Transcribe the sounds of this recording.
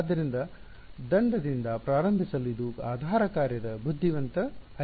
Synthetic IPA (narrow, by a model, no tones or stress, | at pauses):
d̪ːɐɾind̪ɐ | d̪ɐɳɖɐd̪ind̪ɐpɾaːɾɐmbʱisɐluid̪uaːd̪ʱaːɾɐkaːɾjɐd̪ɐbud̪ʱːiʋɐnt̪ɐɐ